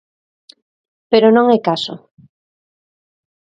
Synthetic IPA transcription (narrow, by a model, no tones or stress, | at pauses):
peɾonõŋɛkaso̰